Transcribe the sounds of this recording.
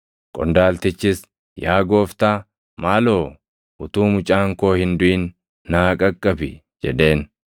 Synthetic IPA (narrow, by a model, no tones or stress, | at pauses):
kʼɔ̰nd̪aːlt̪ɪt͡ʃːɪs | jaːɡo̞ːft̪aː | maːlo̞ː | ʔʊt̪uːmʊt͡ʃʼaːŋko̞ːhɪnd̪ʊɪnː | aːkʼɐkʼːɐbɪ̰ | d͡ʒɛ̰ᶑe̞ːn